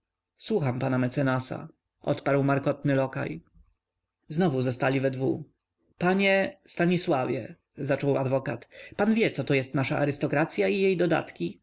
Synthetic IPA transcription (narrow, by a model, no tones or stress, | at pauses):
swuxampanamɛt̪sɛnasa̰ | ʔɔ̰t̪paɾwmaɾkɔt̪nɘlɔka̰j | znɔvuzɔst̪alʲivɛd̪vu | paɲɛst̪aɲiswavʲjɛ̰ | zat͡ʂɔwad̪vɔkat̪panvʲjɛt̪sɔt̪ɔjɛst̪naʂaʔaɾɘst̪ɔkɾat̪sʲjaijejd̪ɔd̪a̰t̪kʲi